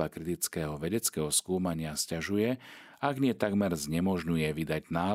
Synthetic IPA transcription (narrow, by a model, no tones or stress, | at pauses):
akɾit̪it͡skɛːɦɔʋɛɟɛt͡skɛɦɔskuːmaɲɪascaʒujɛ | aɡɲɪɛt̪aɡmɛɾzɲɛmɔʒɲujɛʋid̪aɟnaː